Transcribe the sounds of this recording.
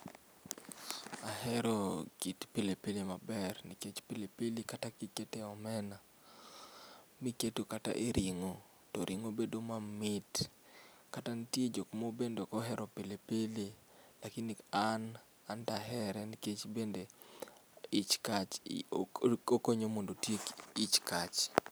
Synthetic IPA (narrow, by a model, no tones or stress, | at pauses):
ahɛɾɔkitpelepelemabɛrniket͡ʃpilepelikatakitketeɔmɛna | miketokata̰ʔeɾʔiŋo | tɔɾʔiŋobedomamɪt | katanitjed͡ʒokmobendokɔɦɛɾʔɔpelepele | lakinian | andaɦɛɾɛniket͡ʃbende | it͡ʃkat͡ʃ | okoɲomondotjekit͡ʃkat͡ʃ